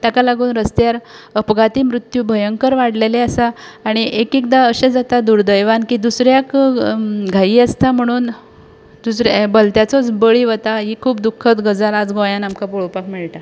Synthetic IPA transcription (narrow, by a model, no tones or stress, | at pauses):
t̪jakalaɡuːnɾəst̪jaɾ | əpɡat̪iːmɾut̪juːbʱəjəŋkəɾʋaɽleleasaːɽ̃iʔekikd̪aəɕẽd͡zat̪ad̪uɾd̪əjʋankiːd̪usɾjak | ɡʱajiːəst̪am̤əɽ̃uːn | d̪̥usɾbəlt̪jat͡sɔt͡sbəɭiːʋət̪aɦiːkʰuːp̚d̪ukʰːət̪ɡəd͡zalad͡zɡõjãnamkapoɭpakmiɭʈ̪a